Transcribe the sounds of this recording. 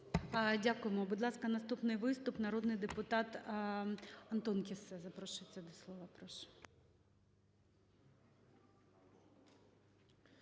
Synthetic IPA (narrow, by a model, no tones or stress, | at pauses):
dʲakʊjemɔbʊd̪lˠɑskɐnɐst̪upnɪjʋɪst̪ʊpnɐɾod̪nɪjd̪epʊt̪ɑt̪ | ɐnt̪ɔnkʲisɛzɐpɾɔʃɪt͡sʲːɛd̪ɔslˠɔʋɐpɾɔʃɛ̥